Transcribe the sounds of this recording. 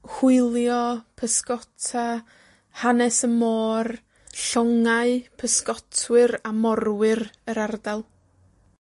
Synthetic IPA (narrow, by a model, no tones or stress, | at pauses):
hʊɨlˠjɔpʰəskɔtʰa | hanɛsəmoːr | ɬɔŋaɨpʰəskɔtʰwɨɾamɔrwɨrəɾardalˠ